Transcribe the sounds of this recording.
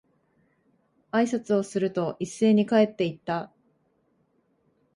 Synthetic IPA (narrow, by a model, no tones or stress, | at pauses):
aisat͡sɨo̞sɨɾɯ̟t̪o̞ʔisːe̞ːɲ̟ikae̞t̪ːe̞it̪ːa